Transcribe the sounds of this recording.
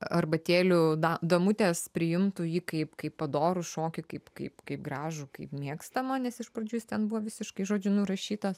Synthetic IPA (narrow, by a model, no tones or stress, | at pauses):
ɐrbɐt̪ʲeːlʲʊd̪ɐd̪ɐmʊt̪ʲeːspʲɾʲɪjɪmt̪ʊjiːkɐɪpkɐɪpːɐd̪oːɾʊʃoːkʲɪkɐɪpkɐɪpkɐɪp̚ɡɾɑːʒʊkɐɪpmʲiɛkst̪ɐmɐnʲɛsɪʃpɾɐd͡ʒʲuːjɪst̪ʲɛnbuʋɔʋʲɪsʲɪʃkɐɪʒoːd͡ʒʲʊnʊɾɐʃʲiːt̪ɐs